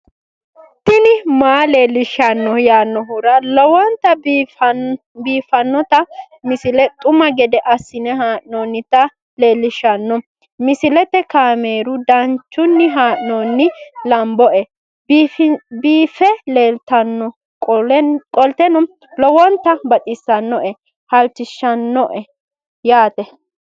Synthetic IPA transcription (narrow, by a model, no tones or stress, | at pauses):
t̪ːɪnɪmaːleːlːɪʃɐnːɔjaːnːɔɦʊɾɐlɔwɔnt̪ɐ | biːfɐnːɔt̪ɐ | mɪsɪlɛt̪ʼʊmɐɡɛd̪ɛʔɐsːɪnɛɦaːʔnoːnːɪt̪ɐ | le̞ːlːɪʃɐnːɔ | mɪsɪlɛt̪ːɛkaːmeːɾʊd̪ɐnt͡ʃːʊnːɪɦaːʔnɔːnːɪlɐmbɔʔɛ | biːfɛleːlt̪ɐnːɔ | kʼkʼɔlt̪ɛnɔ | lɔwɔnt̪ɐbɐt̪ʼɪsːɐnːɔʔɛ | hɐlt͡ʃːɪʃːɐnːɔʔɛ | jaːt̪ɛ